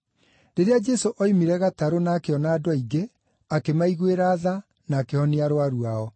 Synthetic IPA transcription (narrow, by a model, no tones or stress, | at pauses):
deɾead͡ʒɛsoʔɔimiɾɛɣataɾonaːkeɔnaːdwaiɡe | akemaiɣweɾaːða | naːkehɔniaɾwaɾuaɔ